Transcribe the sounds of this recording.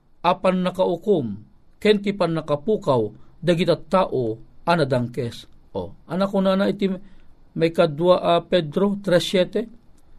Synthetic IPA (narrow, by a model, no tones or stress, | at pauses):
ʔapanːɐkaʔʊkum | kɛnt̪ipanːɐkapuːkawd̪ɐɡit̪at̪ːaːʔoʔanɐd̪aŋkɛsʔo̰ʔɐnakonanaʔit̪i | majkad̪waʔapɛd̪ɾot̪ɾɛsjɛːt̪ɛ